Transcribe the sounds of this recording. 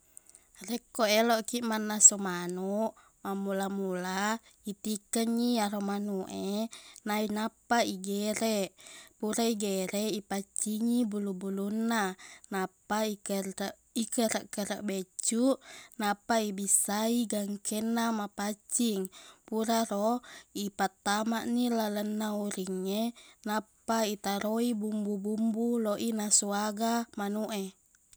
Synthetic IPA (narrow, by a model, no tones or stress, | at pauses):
rekːoɛloʔkiʔmanːasomanuʔ | mamulamula | it̪ikəŋiaɾomanuʔenainapaiɡeɾɛʔpuɾaiɡeɾɛʔipat͡ʃːiŋibulubulunːanapaikəʔ | ikəɾaʔkəɾa̰ʔbet͡ʃːuʔnapːaibisːaiɡaŋkenːamapat͡ʃːiŋpuɾaɾoipat̪ːamaʔnilalənːauɾiŋːenapːait̪aɾoibumbubumbuloʔinasuaɡamanuʔe